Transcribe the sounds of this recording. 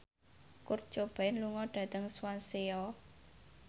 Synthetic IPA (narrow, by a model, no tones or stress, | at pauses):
kʊr̥t͡ʃob̥aɪnluŋɔɖ̥ä̤t̪əŋswanseɔ